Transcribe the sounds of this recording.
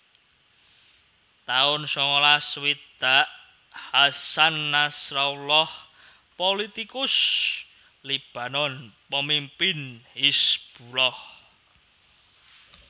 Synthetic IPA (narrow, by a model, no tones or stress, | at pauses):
t̪aʊnsɔŋɔlaswid̪̥aʔ | hasanːasraulɔh | polit̪ikʊs | lib̥a̤nɔnpəmimpɪnhisb̥ulɔh